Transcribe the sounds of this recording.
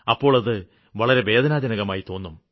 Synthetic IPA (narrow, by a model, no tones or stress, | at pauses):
ɐpːo̞ːɭɐðɨ | ʋɐɭɐɾe̞ʋe̞ːd̪ʱɐnaːd͡ʑɐnɐɣɐmaːjit̪o̞ːnːum